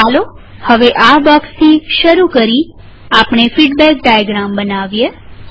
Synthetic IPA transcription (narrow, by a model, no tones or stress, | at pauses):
alo | həʋeʔabɔkst̪ʰiʃəɾukəɾi | apɳ̃efiɖbɛk̚ɖajəɡɾambənaʋje